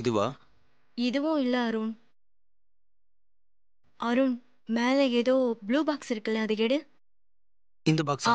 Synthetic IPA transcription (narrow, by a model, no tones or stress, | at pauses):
ɪðɯʋaː | ɪðɯʋʊ̃ɪlːɐɐɾʊn | ɐɾʊn | meːlɛeːðoːbluːbaːksɪɾɯkːɐlɛ̃ɐðɯkeɽɯ | ɪnd̪ɐbaːks